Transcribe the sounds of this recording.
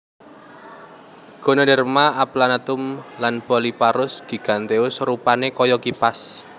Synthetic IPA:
ɡ̥o̤nonɛrmaaplanat̪ʊmlanpɔlipaɾʊsɡ̥i̤ɡ̥a̤nt̪eʊsrupanekɔjɔkipas

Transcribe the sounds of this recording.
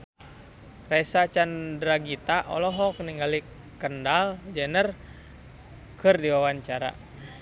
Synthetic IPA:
raisat͡ʃandɾaɡit̪aʔɔ̰lɔɦɔk̚niŋɡali | kəndald͡ʒɛnər | kɨrdiwawaɲt͡ʃaɾa̰

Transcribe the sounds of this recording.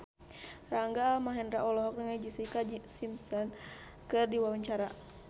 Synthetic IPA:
raŋɡaːmaɦɛndɾaʔɔlɔɦɔk̚nəŋad͡ʒisikasimsɔn | kɨrdiwawaɲt͡ʃaɾa

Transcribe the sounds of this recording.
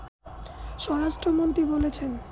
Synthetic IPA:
ʃɔɾaʃʈɾomont̪ɾibolet͡ɕʰen

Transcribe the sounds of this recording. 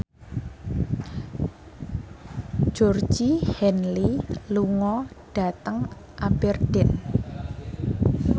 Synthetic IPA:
d͡ʒ̥ɔr̥d͡ʒihɛnliluŋɔɖ̥a̤t̪əŋ | ʔabɛrd̥ɛn

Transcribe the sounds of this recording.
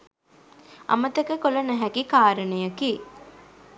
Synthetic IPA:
ʔɐ̰mət̪ɐkəkolɐnæɦækikaːɾənəjəki

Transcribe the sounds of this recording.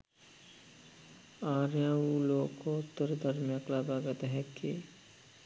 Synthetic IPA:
aːɾjãuːloːkot̪ːəɾd̪ʱəɾmjəklaːbaɡət̪ɦɛke

